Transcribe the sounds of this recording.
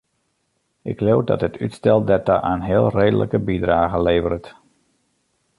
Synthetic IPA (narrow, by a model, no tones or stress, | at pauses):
ɪklowdɑ̰tɦətytstɛlˠdɛtaʔaːnɦɪːlˠrejdə̰lʔəkəbidraːɣəleːvəɾət